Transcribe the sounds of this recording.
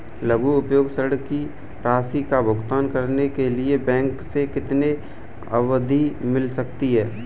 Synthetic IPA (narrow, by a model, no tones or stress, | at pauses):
lɐɡuʊpjoːɡsəɽkːi | ɾaːsikabʱʊɡt̪aːnkəɾnekeliebɛ̃ːŋksekɪt̪ne | ɐwəd̪ʱimɪlsɐkt̪iɦɛː